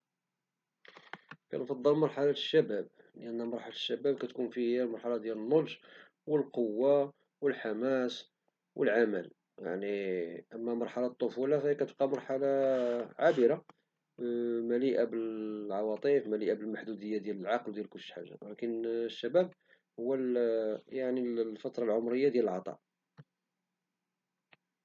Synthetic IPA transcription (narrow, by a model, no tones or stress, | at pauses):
kæ̰nfɑd̪ˤːəlmɑɾˤħalaə̥ʃːæbæb̚ | ləʔənːæmɑɾˤħalat̪ʃːæbæbkæt̪kunfiæmɑɾˤħalad̪jælənːolʒ | wəlqowːa | wəlħamæs | wʔəlʕaməl | ja̰ʕniʔəmːæmɑɾˤħalat̪ˤːofulafæhikæt̪əb̚qɑmɑɾˤħalaʕabəɾa | mæliʔabəlʕɑwɑt̪ˤifmæliʔabəlmaħd̪ud̪əjːad̪jæləlʕɑqld̪jælkʊlːʃħa̰ʒːa̰lækənʃːæbæb̚ | hʊwːæljaʕnilfɑt̪ˤɾˤɑlʕomɾəjːad̪jæləlʕɑt̪ˤɑ̰ʔ